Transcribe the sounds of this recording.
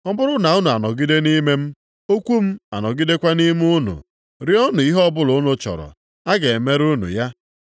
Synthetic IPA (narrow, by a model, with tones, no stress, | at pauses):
ɔ˦bʊ˦ɾʊ˦na˨u˦nu˨a˨nɔ˨ɡi˦de˦ni˦me˦m̩˦ | o˦kʷu˦m̩˦a̰˨nɔ˨ɡi˦de˦kʷa˦ni˦m˦ʊ˦nṵ˨ | ɾi˦ɔ˦nʊ˨i˦ɦɔ˦bʊ˦lʊ˨˦nʊ˦t͡ʃɔ̰˨ɾɔ̰˨ | a˦ɡe˨e˨me˦ɾu˦nṵ˨ja˦